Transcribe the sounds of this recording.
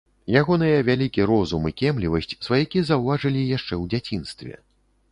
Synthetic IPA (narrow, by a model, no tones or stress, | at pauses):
jaɣɔnɨjɐvʲalʲikʲiɾɔzumikʲɛmlʲivɐsʲt͡sʲsvajakʲizɐwvaʐɨlʲijaʂt͡ʂɛwd͡zʲat͡sʲinst̪vʲɛ̰